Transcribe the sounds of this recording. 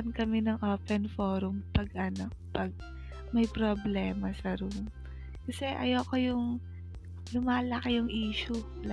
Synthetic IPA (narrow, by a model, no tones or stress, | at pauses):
ɐnkɐmɛnɐŋʔoːpɛnfoːɾʊmpɐɡʔɐno | pɐɡ̚ | mɐjpɾoblɛːmɐsɐɾum | kɐsɛʔɐ̰jokojʊŋ | lʊmaːlɐkɪjʊŋʔiːʃʊ